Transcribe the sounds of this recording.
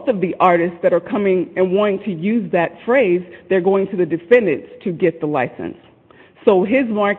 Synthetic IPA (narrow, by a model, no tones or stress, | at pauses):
θʌvðiʔɑɹɾɨstsðɨɾə˞kʰʌmɪ̃ŋɨ̃nwɑ̃ɾ̃ɪ̃ŋtʰɨjʉzðɨtfɹeɪzðə˞ɡoʊɪ̃ŋtʰɨðɨdɨfɛ̃ndɨ̃nstʰɨɡɛt̪̚ðəlaɪsɨ̰̃nsː | oʊɪzmɑɹ